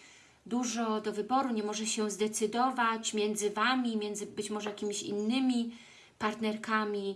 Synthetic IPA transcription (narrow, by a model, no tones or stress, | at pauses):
d̪uʐɔd̪ɔvɘbɔɾuɲɛmɔʐɛɕɛzd̪ɛt̪sɘd̪ɔvat͡ɕmʲjɛnd̪zɘvamʲimʲjɛnd̪zɘbɘt͡ɕmɔʐɛjakʲimʲiɕḭnːɘmʲi | paɾt̪nɛɾkamʲi